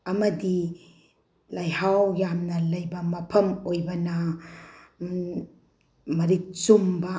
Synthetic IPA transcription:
ɐmɐdi | lajɦawjamnɐlɐjbɐmɐpʰɐmojbɐnɐ | mɐɾik̚t͡ʃumbɐ

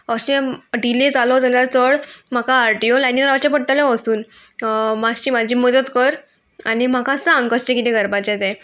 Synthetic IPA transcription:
əɕeɖiled͡zalod͡zaljaɾt͡səɭm̤akaːɾʈijolajnĩnɾaʋat͡ɕapəʈʈəleʋəsuːn | mast͡ɕiːm̤ad͡ʑʱiːməd̪ət̪kəɾ | aɽ̃im̤akãsəãŋkəst͡ɕekit̪ɛ̃ɡʱəɾbat͡ɕɛ̃t̪ɛ̃

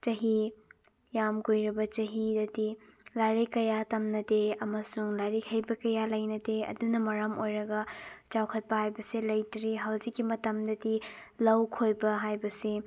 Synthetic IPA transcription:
t͡ʃɐɦi | jamɡojɾɐbɐt͡ʃɐɦidɐdilaɾikɐjatɐmnɐdeɐmɐsuŋlaɾikʰɐjbɐkɐjalɐjnɐdeɐ̰dunɐmɐɾamojɾɐɡɐt͡ʃawkʰɐt̚pɐhajbɐsilɐjtɾiɦawzikːimɐtɐmdɐdilɐwkʰojbɐɦajbɐsi

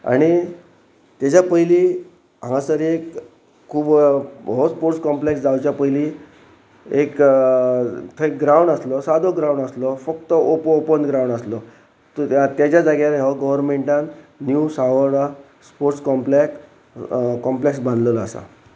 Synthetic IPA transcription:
a̰ɽ̃i | t̪jat͡ɕapəiliː | ɦãasəɾiek | kʰːuːbɦospoɾʈskɔmpleksd͡zawt͡ɕjapəɦili | ek | t̪ʰəek̚ɡɾawɳɖəslɔsad̪ʱoɡɾawɳɖəslɔfəkt̪əopəopənɡɾawɳɖaslɔ | t̪jat͡ɕjad͡zaɡalɦjaʋaɡəʋəɾmẽɳʈãnnjusaʋəɽa | spoɾʈskɔmplek | kɔ̃mpleksbãnd̪ləlaːsa̰

